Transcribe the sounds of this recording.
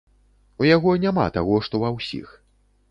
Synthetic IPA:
ujaɣɔnʲama̰t̪aɣɔʂt̪ɔwawsʲḭx

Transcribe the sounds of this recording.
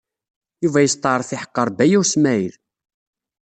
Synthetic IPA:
juvæjəst̪ˤɑɾˤθiħə̥qːəɾˤbæjusmæjð

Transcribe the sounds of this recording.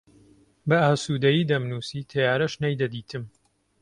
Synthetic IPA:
bɐaːsuːd̪ɐjiːd̪ɐmnuːsiːt̪ʰɐjaːɾɐʃnɐjd̪ɐd̪iːt̪ʰɨm

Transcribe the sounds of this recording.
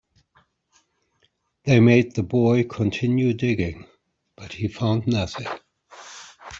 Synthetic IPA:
ðeɪmeɪd̪̚ðɨbɔɪkʰə̃ntʰɪ̃njʉdɪɡɪ̃ŋ | b̥ʌt̚hifãʊ̃nnʌθɪ̃ŋ

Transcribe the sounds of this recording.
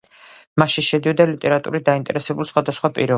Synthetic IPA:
maʃiʃɛd̪iɔd̪alit̪ʼɛɾat̪ʼṵɾid̪aint̪ʼɛ̰ɾɛsɛbulˠsχwad̪asχwapʼḭɾɔ

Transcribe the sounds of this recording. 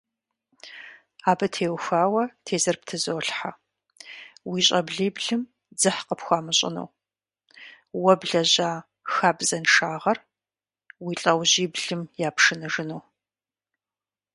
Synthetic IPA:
aːbɐtʰeːwxaːwɐtʰeːzɐrp̚tʰɨzoːɬħa | wiːɕʼɐbɮiːbɮɨm | d͡zɨħqəpxʷaːmɨɕʼɪ̰nṵː | wɐbɮɐʑaː | xaːbzɐnʂaːʁɐr | wiːɬʼɐwʑiːbɮɨmjaːpʰʂɨnɨʐɨnuː

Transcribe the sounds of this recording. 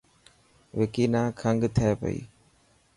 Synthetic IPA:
ʋɪkiːnaːkʰəŋɡt̪ʰəeːpə̰ḭː

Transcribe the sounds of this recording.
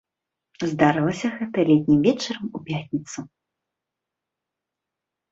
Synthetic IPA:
zd̪aɾɨlˠɐsʲɐɣɛt̪ɐlʲɛt̪ʲnʲimvʲɛt͡ʂɐɾɐmupʲat̪ʲnʲit̪su

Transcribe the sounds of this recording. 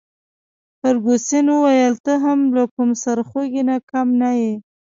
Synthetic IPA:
pəɾɡosenwuwajəlt̪əɦamlakumsaɾxoɡinakamnaje

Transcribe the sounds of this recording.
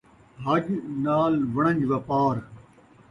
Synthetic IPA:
ɦɐʄnaːlʋɐɳ̃ə̃ɲd͡ʑʋɐpaːɾ

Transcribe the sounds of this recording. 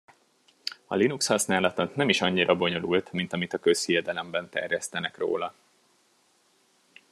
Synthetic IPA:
ɒ̰linukshɒsnaːlɒt̪ot̪nɛmiʃɒɲːiɾɒbo̞ɲo̞lult̪mint̪ɒmit̪ɒkøsijɛd̪ɛlɛmbɛnt̪ɛ̰rjɛst̪ɛnɛkro̰ːlɒ

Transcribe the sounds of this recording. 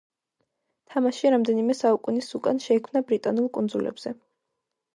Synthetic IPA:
t̪ʰamaʃiɾamd̪ɛnimɛsaukʼunisukʼanʃɛikʰmnabɾit̪ʼanulˠkʼund̪zulɛ̰bz̥ɛ

